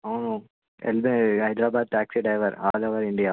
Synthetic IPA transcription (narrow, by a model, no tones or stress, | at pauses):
ano | ḛlbɦɐjd̪ɾaːbaːd̪̚t̪aːksiɖɐjʋɐɾa̰ːlɐʋɐɾiɳɖijaː